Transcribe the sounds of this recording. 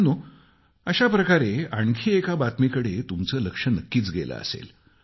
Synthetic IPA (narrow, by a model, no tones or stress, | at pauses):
nuː | əɕapɾəkaɾeaɳkʰiːekabat̪mikəɽet̪umt͡səːləkʂənəkːiːt͡sɡelə̰ə̰sḛl